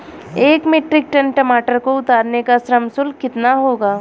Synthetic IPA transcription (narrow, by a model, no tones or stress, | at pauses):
eːkmeːʈɾɪk̚ʈənʈɐmaːʈəɾkoʊt̪aːɾnekasɾəmsʊlkɪt̪naɦoːɡaː